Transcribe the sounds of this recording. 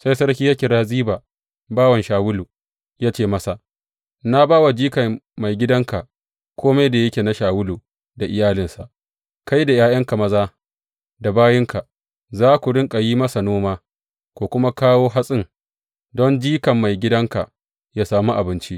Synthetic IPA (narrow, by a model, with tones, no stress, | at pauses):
sa˦jsɐ˦ɾkʲiː˦ja˦kʲɪ˨ɽaː˦ziː˦baː˨ | baː˦wɐ˨nʃaː˨wʊ˦luː˨ | jaː˦t͡ʃeː˦˨mɐ˦sa˨ʔ | na˦baː˦wa˨d͡ʒiː˦kɐ˨ma˨jɡʲɪ˦dɐ˦ŋka˨ | kʷʰoː˦ma˦jda˨jɐ˦kʲeː˨na˦ʃaː˨wʊ˦lu˨ | da˨ʔɪ˨jaː˦lɪ˨nsa˨ʔ | ka˦jda˨jaː˦jɐ˦ŋka˨mɐ˦zaː˦ | da˨baː˦jɪ˦ŋka˨ | zaː˦kʷu˨ɽɪ˦ŋkʼa˨jiː˦mɐ˦sa˨noː˦maː˦ | kʷoː˨kʷʊ˦ma˦kaː˦woː˦ɦa˦sʼɪ˦ŋ | dɔ˦nd͡ʒiː˦kɐ˨mːa˨jɡʲɪ˦dɐ˦ŋka˨ | ja˦saː˨mu˦ʔa˨bɪ˦nt͡ʃi˦ʔ